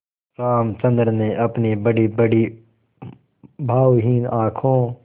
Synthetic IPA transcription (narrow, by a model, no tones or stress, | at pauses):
ɾaːmt͡ʃə̃nd̪əɾnẽːʔəpniːbəɽiːbəɽiː | bʱaːwɦiːnaːkʰõː